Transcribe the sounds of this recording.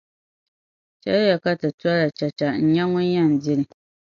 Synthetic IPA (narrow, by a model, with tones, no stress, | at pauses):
t͡ʃɛ̰˦lja˨ka˦tɨ˨tu˦a˦ɾa˨t͡ʃa˨t͡ʃa˨n̩˦ɲɛ˦ŋʊ˦ɲa˦˨n̩˨dɪ˦nɨ˨